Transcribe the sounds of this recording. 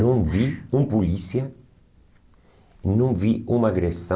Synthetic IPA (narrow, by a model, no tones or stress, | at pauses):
ɐ̃wviũmpulisiɐ | nũviumɐaɡɾesɐ̃